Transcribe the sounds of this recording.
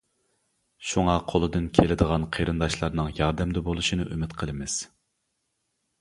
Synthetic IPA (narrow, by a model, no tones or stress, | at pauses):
ʃuŋɑqʰolˠɨd̪ɨnkʲʰelɪd̪əʁɑnqʰeɾɨnd̪ɑʃlˠɑɾnɨŋjɑɾd̪ɛmd̪ɛbolˠuʃinɨʔymɪt̪qʰəlˠɨmɪz̥